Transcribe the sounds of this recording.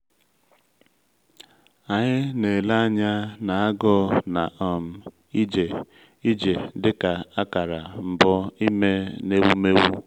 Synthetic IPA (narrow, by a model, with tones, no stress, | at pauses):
a˨ɲɪ˦ne˨la˦˨ɲa˦na˨a˦ɡɔ˦na̰˨ʔɔ˨m̩˨ | i˦d͡ʒe˨ | i˦d͡ʒe˨dɪ˦ka˨a˦ka˨ɾa˨m̩˨bɔ˦i˦me˦ne˦wu˦me˦wu˦